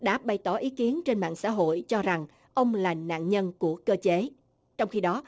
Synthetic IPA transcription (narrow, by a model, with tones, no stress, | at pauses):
ɗa̰ː˧˥ɓa˨˩jt̪ɔ˧˩ʔi˨˦ki˨˦ənt͡ɕe˧nɓa̰ː˧˨nsa̰ː˧˥ɦo̰˧˨jt͡ɕɔ˧za˨˩ŋ | ʔə˧wŋ͡mlaː˨˩na̰ː˧˨nɲə˧nku˧˩əkəː˧t͡ɕe˨˦ | t͡ɕɔ˧wŋ͡mxi˧ɗɔ˨˦